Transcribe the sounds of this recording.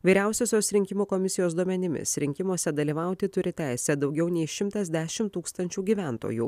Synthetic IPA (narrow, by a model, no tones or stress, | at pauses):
ʋʲiːɾʲæˑʊsʲoːsʲoːsɾʲɪŋʲkʲɪmuːkɔmʲɪsʲɪjoːsd̪uɔmʲɛnʲɪmʲɪ̰sɾʲɪŋʲkʲɪmoːsʲɛd̪ɐlʲiːʋɐˑʊt̪ʲɪt̪ʊɾʲɪt̪ʲæˑɪsʲɛd̪ɒʊɡʲɛʊnʲɛɪʃʲɪmt̪ɐzʲd̪ʲæːʃʲɪmt̪uːkst̪ɐnʲt͡ʃʲuːɡʲiːʋʲænt̪o̰ːjṵː